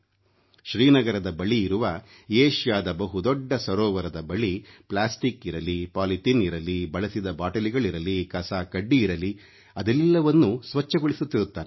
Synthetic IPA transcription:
ʃɾiːnɐɡɐɾɐd̪ɐbɐɭiːɾuʋɐ | eːʃjaːd̪ɐbɐɦud̪ɔɖːɐsɐɾɔːʋɐɾɐd̪ɐbɐɭiplaːsʈikiɾɐlipaːliʈiniɾɐlibɐɭɐsid̪ɐbaːʈɐliɡɐɭiɾɐlikɐsaːkɐɖːiːɾɐli | ɐd̪ɛlːɐʋɐnːusʋɐt͡ʃːɐɡoɭisut̪ːiɾut̪ːaːɾɛ

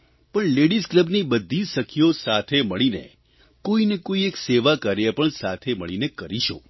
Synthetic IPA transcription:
pəɳleɽiskləbnibəd̪ʱːiʃəkʰjosat̪ʰeməɭinḛ | koinekoiekseʋakəɾjapəɳsat̪ʰeməɭinekəɾiʃo̰

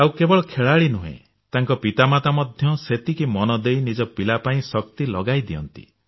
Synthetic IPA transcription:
awkebɔɭɔkʰeɭaɭinuɦḛ̃ | t̪aŋkɔpit̪amat̪amɔd̪ʱjɔset̪ikimɔnɔd̪ejnid͡ʒɔpilapaĩsɔk̚t̪ilɔɡajd̪iɔ̰nt̪ḭ

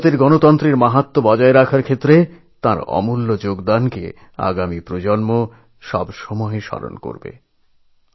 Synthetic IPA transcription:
t̪eɾɡɔnot̪ɔnt̪ɾiɾmaɦat̪ːobɔd͡ʑaeɾakʰaɾkʰet̪ːɾe | t̪aɾɔ̰mulːod͡ʑoɡd̪ankḛ | a̰ɡamipɾod͡ʑonmo | ʃɔbʃɔmɔeʃɔ̰ɾo̰nko̰ɾbḛ

